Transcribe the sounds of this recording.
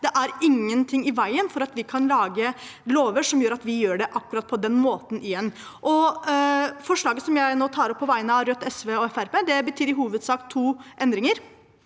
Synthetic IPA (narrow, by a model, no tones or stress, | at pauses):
d̪̥ɛʔæɾɪŋːənt̪ʰɪŋːɪʋæɪənfɔɾɑt̪ʋɪkʰɑnlɑːɡəloːʋəʂɔmjøːɾɑt̪ʋɪjøːɖɛʔɑkːʉɾɑt̪̚pʰɔd̪ɛnmoːt̪nʔɪjɛnːʔɔ | fɔʂɭɑːɡəsɔmjæɪnoːt̪ʰɑːɾɔpʰːɔʋæɪənəɑɾœt̪ːɛsʋeːɔɛfæɾpeːd̪ɛbət̪ʰyːɾɪɦuːʋəd̪sɑːkt̪ʰuːʔɛnd̪ɾɪŋəɾ